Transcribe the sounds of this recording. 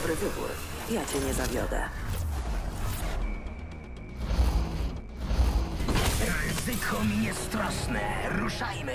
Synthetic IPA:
bɾɘvɘbṵɾ | jat͡ɕɛɲɛzavʲjɔ̰d̪ɛ̰ | ɾɪzɘkʰɔmʲjɛst̪ɾɔsnɛ̰ɾuʂajm

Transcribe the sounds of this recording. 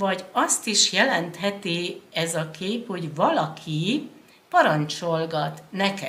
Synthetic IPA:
vɒɟɒst̪iʃjɛlɛnt̪hɛt̪iɛzɒkeːpho̞ɟvɒlɒkʰi | pɒɾɒnt͡ʃo̞lɡɒt̪nɛkɛ̰

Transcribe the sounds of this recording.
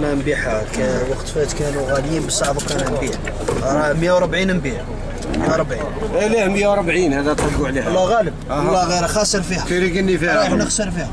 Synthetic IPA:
næmbiħakæwɑqt̪fæt̪kænuɣæljimbəsˤɑʕbukænæmbiħ | ɾˤɑmjæwɾˤbʕinmbiħ | mjæwɾˤbʕinlihmjæwɾbʕinhæd̪æt̪ˤɑlbuʕlilˤːɑɣæləb̚lˤːɑɣiɾxɑsˤəɾfihæiɾikənːifiænəxsəɾˤfihæ

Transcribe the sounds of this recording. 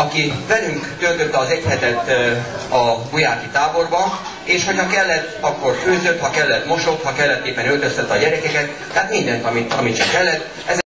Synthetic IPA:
ɒkivɛlyŋkt̪ølt̪øt̪ːɛɒːzɛchɛt̪ɛt̪ː | ɒbujaːkit̪aːbo̞rbɒ | eːʃho̞cʰhɒkɛlːɛt̪ːɒkːo̞rføːzø̞t̪hɒkɛlːɛt̪mo̞ʃo̞khɒkɛlːɛt̪ːeːpːɛnølt̪ø̞st̪ɛt̪ːɒɟɛɾɛkɛkɛt̪ːɛɦaːt̪mind̪ɛnt̪ɒmit̪ɒmiʃɛkɛlːɛt̪ː | ɛz

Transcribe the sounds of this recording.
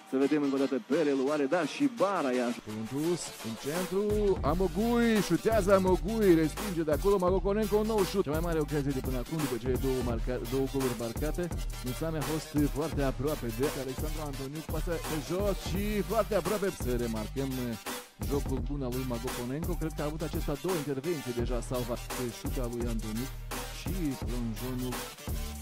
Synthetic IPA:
seved̪emiŋkwaɾd̪at̪epeɾeluaɾed̪aʃibaɾajaʃpolunt̪us | int͡ʃɛnt̪ɾuamokujʃut̪ːjazamokujɾespind͡ʒed̪akːulomaɡokonɛŋkonɔʃut̪imajmaɾeokazied̪ipenakund̪ip̬ɔt͡ʃeed̪oaɾkad̪okoveɾbaɾkat̪emisameafɔst̪fart̪eapɾɔaped̪eɾt̪aleksand̪ɾoant̪onjuk̚paepet͡ʃɔt͡ʃifart̪eapɾɔapep̪seɾemarkem | d͡ʒɔkukunavujmaɡokonɛŋkokɾed̪kaːvut̪at͡ʃɛst̪ad̪oint̪ervɛnt̪id̪eʒasalvakeʃut̪avujant̪onuk | t͡ʃiplond͡ʒonuk

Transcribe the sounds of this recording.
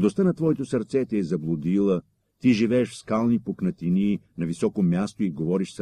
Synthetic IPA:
d̪ost̪ənɐt̪vɔɛt̪osɐɾt̪sɛt̪ɛːzɐblˠud̪ilˠə | t̪iʒivɛɛʃfskalˠnipoknɐt̪ininɐvisɔkomʲjast̪oiɡovɔɾiʃs

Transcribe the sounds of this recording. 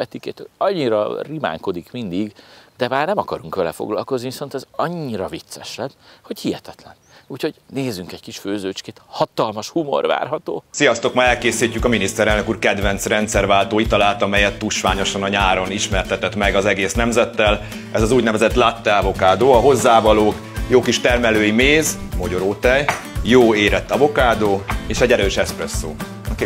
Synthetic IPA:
ɛt̪iket̪ɒɲːiɾɒ̰rima̰ːŋko̞d̪ikmind̪iɡd̪ɛmaːrnɛmɒkɒɾuŋkʋɛlɛfo̰ɡlɒ̰lko̞zniviso̞nt̪ɛzɒɲːiɾɒvit̪sɛʃlɛnho̞chijɛt̪ɛt̪lɛnuːcho̞ɟneːzyŋkɛɟkiʃføːzøːt͡ʃkeːt̪hɒt̪ɒlmɒʃhumo̞̰rʋa̰ːrɦɒt̪o̰ːsijɒst̪o̞kmaɛlkeːsiːcːykɒminist̪ɛɾɛlnø̞kuːrkɛd̪vɛnt̪srɛnt̪sɛrvaːlt̪oːit̪ɒlaːlt̪ɒmɛjɛt̪ːuʃʋaːɲo̞ʃɒnɒɲaːɾo̞niʃmɛrt̪ɛt̪ɛt̪mɛɡɒzɛɡeːsnɛmzɛt̪ːɛl | ɛzɒzuːɟnɛvɛzɛt̪lat̪ːɛavo̞kaːd̪oːɒɦo̞zːaːvɒloːk | joːkiʃt̪ɛrmɛløːjimeːzmoɟoɾoːt̪ɛj | joːeːɾɛt̪ːɒvo̞kaːd̪oːeːʃɛɟɛɾøːʃɛsprɛsːoː

